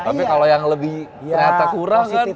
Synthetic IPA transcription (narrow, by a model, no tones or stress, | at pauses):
t̪apikalojaŋləbɪh | kɾat̪akuɾahkan